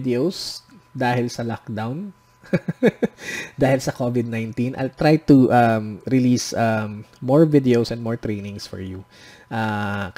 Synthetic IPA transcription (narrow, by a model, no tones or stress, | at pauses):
d̪ɛows | d̪aːɦɪlsɐlak̚d̪awn | d̪aːhɪlsɐkovɪd̪̚najnt̪ĩnʔɐ̰jlt̪ɾajt̪uʔɐmɾɪliːsammoɹvɪd̪ɛowsɛ̃nd̪moɹt̪ɾejnɪ̃ŋsfɔ̰ɹju | ʔa